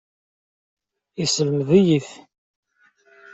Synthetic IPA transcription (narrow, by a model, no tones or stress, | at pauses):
isələməðijiθ